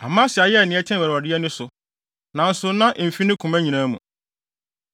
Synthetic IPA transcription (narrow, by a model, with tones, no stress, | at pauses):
a˨mã˦si˨a˨jɛ˦˨nɪ̃˨ɛ˦tʰɛ̃˦˨wɛ˨ɾa˨dɪ˦ɛ˦nʊ̃˦sʊ˨ | nã˨n̩˦sʊ˨nã˦ʔm̩˨fi˦nɪ̃˦kʰũ˨mæ̃˦ɲĩ˨nãː˦mṵ̃˨